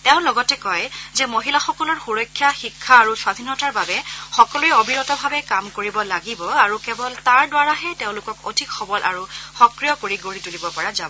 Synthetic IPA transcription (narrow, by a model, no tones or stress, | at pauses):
tɛʊ̃lɔɡɔtɛkɔjzɛmoɦilaxɔkɔlɔɹxuɹɔjkʰːjaxikʰːaːɹuswadʱinɔtaɹbabɛxɔkɔluɛobʱiɹɔtɔbʱabɛkamkoɹibɔlaɡibɔaɹukɛbɔltaɹdwaɹaɦɛteʊ̃lʊkɔko̰dʱikxɔbɔlʔa̰ɹuxɔkɹijɔkoɹiɡoɹitulibɔpɔɹazabɔ